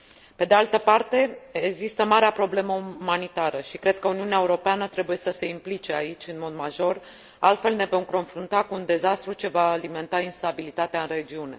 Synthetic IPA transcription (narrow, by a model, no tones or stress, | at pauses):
pe̞d̪ealt̪əpart̪e̞eɡzist̪əmaɾeapɾo̞ble̞məumanit̪aɾəʃikɾe̞d̪̚kəuniuneaeuɾo̞peanət̪ɾe̞buje̞səse̞implit͡ʃe̞ait͡ʃʲɨnmo̞d̪maʒo̞r | alt̪fe̞lne̞vo̞mko̞nfɾunt̪akuːnd̪e̞zast̪ɾut͡ʃe̞vaːlime̞nt̪ainst̪abilit̪at̪eaɨnre̞d͡ʒiune̞̰